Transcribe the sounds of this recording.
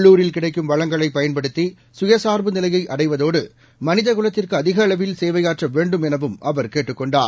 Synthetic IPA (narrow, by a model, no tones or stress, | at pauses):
ɭːuːɾɪlkɪɽɐɪkːɯmʋɐɭɐŋɡɐɭɐɪpːɐjɐnpɐɽɯt̪ːi | sʊjɐsaːɾbɯnɪlɐjɐɪʔɐɽɐɪʋɐðoːɽɯ | mɐnɪðɐkɯɭɐt̪ːɪrkɯɐðɪɣɐːɭɐʋɪlseːʋɐjaːʈrɐʋeːɳɖɯmɛnɐʋɯmɐʋɐɾkeːʈːɯkːɔɳɖa̰ːɾ